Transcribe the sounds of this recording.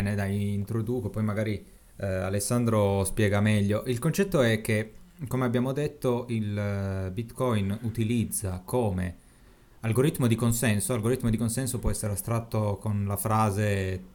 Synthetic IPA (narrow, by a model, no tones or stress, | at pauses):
ned̪ajint̪ɾod̪uːkopɔjmaɡaːɾi | a̰lesːand̪ɾospjɛːɡamɛʎːoʔilkont͡ʃɛt̪ːoɛk̟ːekomeabːjaːmod̪et̪ːoilbit̪kɔjnut̪ilid̪zːakʰoːmḛ | alɡoɾit̪ːmod̪ikonsɛnsoalɡoɾit̪ːmod̪ikonsɛnsopwɔɛsːeɾeast̪ɾat̪ːokonlafɾaːze